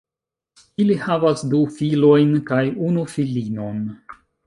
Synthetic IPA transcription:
ilihavasdufilo̞jnkajunufilino̞n

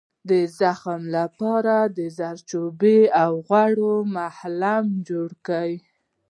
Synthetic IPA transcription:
d̪əzaxamlapɑɾad̪əzaɾt͡ʃobeawɣwaɽomahlamd͡ʒoɽkəj

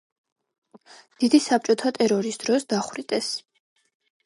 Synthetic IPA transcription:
d̪̥id̪isap̚t͡ʃʼɔt̪ʰat̪ʼɛɾɔɾisd̪̥ɾɔsd̪aχwɾit̪ʼɛs

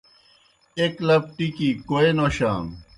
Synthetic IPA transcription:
eklɐp̚ʈikikoenoɕaːn

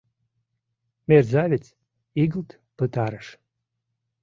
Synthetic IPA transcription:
merzavʲet͡s | iɡəlt̪ | pət̪ɑɾəʃ

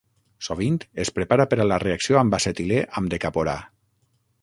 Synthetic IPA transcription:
soβ̞int̪espɾepaɾapeɾalareaksioambaset̪ileʔamd̪ekapoɾa̰

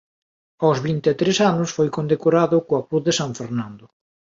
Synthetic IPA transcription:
awzβint̪et̪ɾesanʊsfojkond̪ekoɾaðʊkoɐkɾuθðesaɱfeɾnãnd̪ʊ

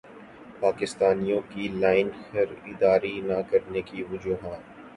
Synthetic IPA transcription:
paːkɪst̪aːnijõkilaːɪnxɐɾɪd̪aːɾinakɐɾnekiʋʊd͡ʒuːɦaː

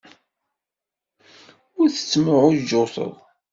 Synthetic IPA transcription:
ʊɾθə̥t͡sːmʊʕʊd͡ʒʊθə̰ðˤ

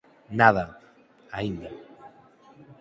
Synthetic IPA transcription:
naða | aind̪a

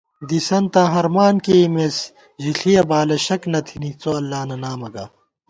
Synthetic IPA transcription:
d̪isɐnt̪ãːɦɐɾmaːnkemes | ʑiɬʰijɐbaːlɐɕɐknɐt̪ʰinit͡soːɐlːaːnɐnaːmɐɡa̰ː

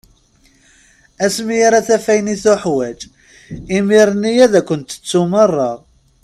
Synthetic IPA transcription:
æsmijaɾæθæfæjniθʊħwæd͡ʒ | imiɾnːijæðækʷːənt̪ə̥t͡sːumərˤːɑ

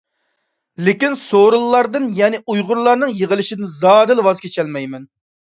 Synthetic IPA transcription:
lɪkʲinsoɾɨlˠːɑɾd̪ɨnjɛnɪʔujʁʊɾlˠɑɾnɨŋjeʁəlˠɪʃɪd̪ɪnzɑːd̪ɨlwɑzkʲʰet͡ʃʰɛlmɛjmɛn

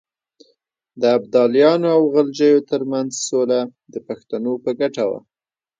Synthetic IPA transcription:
d̪əab̚d̪ɑljɑnoawɣald͡ʒəjot̪əɾmanzsolad̪əpaxt̪anopəɡaʈawa̰

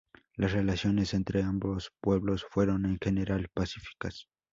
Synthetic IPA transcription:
lasrelasjo̞ne̞se̞nt̪ɾeambospwe̞βlosfwe̞ɾo̞ne̞ŋxe̞ne̞ɾalpasifi̥kas

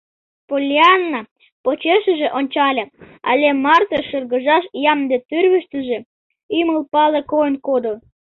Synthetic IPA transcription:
polʲiɑnːɑ | pot͡ɕeʃə̆ʒĕʔonʲt͡ɕɑlʲe | ɑ̰lʲemɑrt̪oʃərɣə̆ʒɑʃjɑmd̪et̪yrβə̆ʃt̪ə̆ʒĕ | yməlpɑlekojənkod̪o

